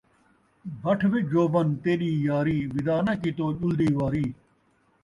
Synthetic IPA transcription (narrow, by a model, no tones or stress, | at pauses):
bʱɐʈʰʋed͡ʒoːbɐnt̪eːɗiːjaːɾiːʋid̪aːnɐkit̪oːʄuld̪iːʋaːɾiː